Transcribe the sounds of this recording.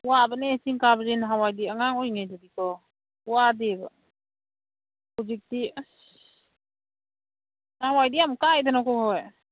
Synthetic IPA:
uwabanesiŋkabzinɦawajdiaŋaŋɔjŋajdɔdikɔ | uwadiba̰ | kud͡ʒik̚ti | hawajdiamkajdanɔkɔɦɔj

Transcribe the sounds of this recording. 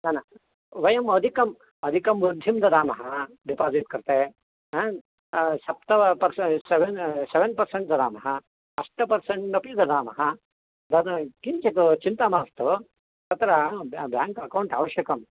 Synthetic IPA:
d̪ɐːnɐ | ʋɐjɐmɐd̪ʱikɐm | ɐd̪ʱikɐmbud̪ʱːimd̪ɐd̪aːmɐɦɐ | ɖipaːziʈ̚kɐɾt̪eː | sɐp̚t̪ɐɐpɐɾsseʋenseʋenpɐɾseɳʈ̚d̪ɐd̪aːmɐɦɐ | ɐʂʈɐpɐɾsɐɳʈnɐpjɐd̪ɐd̪aːmɐ̰ɦɐ | d̪ɐd̪kiɲt͡ʃɐt̪ut͡ʃint̪amaːst̪u | t̪ɐt̪ɾɐbjaːŋkɐkɐwɳʈa̰ːʋɐʃjɐkɐm

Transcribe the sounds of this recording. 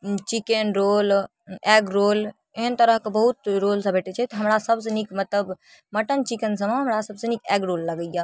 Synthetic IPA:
t͡ʃikenɾol | ɛɡɾoːl | eɦənt̪əɾəɦkebəɦut̪ɾolsə̃bʱeʈet͡ʃʰɛt̪ɔɦɐmɾasəbsenikmət̪ləb | məʈənt͡ʃikənsəmeɦɐmɾasəbsenikɛɡɾoːlːəɡəja

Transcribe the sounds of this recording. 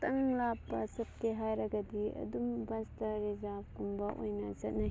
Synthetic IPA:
tɐŋlapːɐsɐp̚keɦajɾɐɡɐdiɐ̰dumbɐstɐɾizab̚kumbɐʔo̰jnɐzɐt̚na

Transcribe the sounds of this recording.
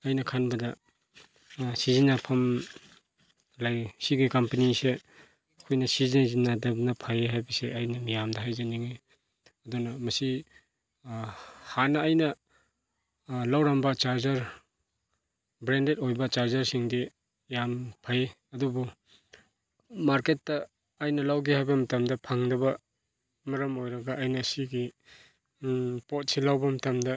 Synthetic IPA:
ɐjnɐkʰanbɐdɐ | sizinːapʰɐm | lajsiɡekampenise | kʰojnɐsizinzinːadɐb̚napʰajeɦajbɐseʔajnɐmijamdɐɦajzaniŋe | ɐdunɐmɐsi | hanɐːjnɐ | lawɾɐmbɐt͡ʃaɾzɐɾ | bɾendet̚ojbɐt͡ʃaɾzɐɾsiŋdi | jampʰaj | ɐdubu | maɾketːɐː | jnɐlawɡehajbɐmɐtamdɐpʰaŋdɐbɐ | mɐɾɐmojɾɐɡaʔːjnɐːsiɡi | pot̚silawbɐmɐtamdɐ

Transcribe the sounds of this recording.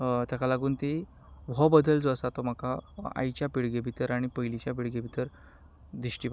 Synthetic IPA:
t̪jakalaɡuːnt̪i | ʋʱɔbəd̪ʱəld͡zoəsat̪ɔm̤akaa̰jt͡ɕjapiɽɡebʱit̪əɾaɽ̃ipəilit͡ɕjap̬iɽɡebʱit̪əɾ | d̪ɾiɕʈiːb

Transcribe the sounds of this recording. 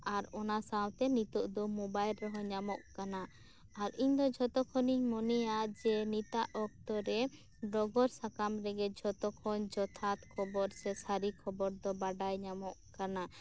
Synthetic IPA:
aɾɔnasawt̪ɛnit̪ɔʔd̪ɔmɔbajlɾɔɦɔɲamɔʔkanaː | ɾiɲd̪ɔd͡ʒʱɔt̪ɔkʰɔniɲmɔnɛjad͡ʒɛnit̪aʔɔk̚t̪ɔɾɛ | ɖɾɔɡɔɾsakamɾɛɡɛd͡ʒʱɔt̪ɔkʰɔnd͡ʒɔt̪ʰat̪kʰɔbɔɾsɛsaɾikʰɔbɔɾd̪ɔbaɖajɲamɔʔkana

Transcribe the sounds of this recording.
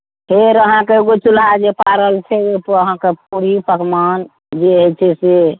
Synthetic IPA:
pʰeɾəɦãkeɡot͡ʃulɦad͡ʒepaɾəlt͡ʃʰeepoəɦãkep̚uɾipəkman | d͡ʒeet͡ʃʰese

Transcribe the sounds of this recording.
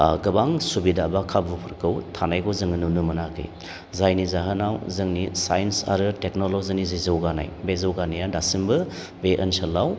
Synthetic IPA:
ɡɐbaŋsubidabakʰabupʰɯɾkʰɯwtʰanajkʰowzɯŋɯnunumɐnakʰɯ̰j | zajnizaɦɐnawzɯŋnisajnsa̰ɾɯtek̚nolozinizijzɐwɡana̰jbezɐwɡanijadasimbɯ | beʔənsɐlːaw

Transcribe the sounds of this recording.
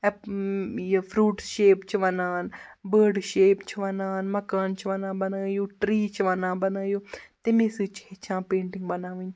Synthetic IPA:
fʰɾuːʈʃeːpt͡ʃʰiʋɐnaːnbəːɾɖʃeːpt͡ʃʰiʋɐnaːnmɐkaːnt͡ʃʰiʋɐnãːbɐnaːjoːʈɾiːt͡ʃʰʋɐnãːbɐnaːjoːt̪emẽsɨːt͡ʃʰet͡ʃʰãːpẽːɳʈɪŋɡbɐnaːʋĩɲ

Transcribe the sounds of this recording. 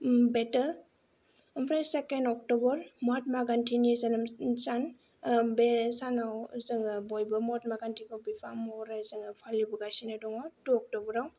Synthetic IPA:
betə | əmpʰɾajsekenɔk̚tɔbɔɾmat̚maɡantʰinizanamsan | besanawzɯŋabɔjbɯmɔt̚maɡantʰikawbipʰamɔɾazɯŋapʰalibuɡasinɯdɔŋɔtuɔk̚tɔbɔɾaw

